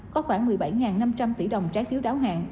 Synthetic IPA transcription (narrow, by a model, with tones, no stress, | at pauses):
kɔ˨˦xwaː˧˩ŋmɨ˨˩əjɓa˧˩jŋaː˨˩nːa˧mt͡ɕa˧mt̪ḭ˧˩ɗə˨˩wŋ͡mt͡ɕaː˨˦jfi˨˦əwɗaː˨˦wɦa̰ː˧˨˩n